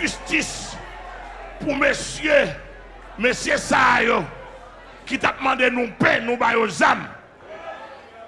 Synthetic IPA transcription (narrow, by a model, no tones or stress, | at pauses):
ʒystis | pumesje | mesjesajo | kit̪ap̚mɑ̃denũpɛ̃nũbajozam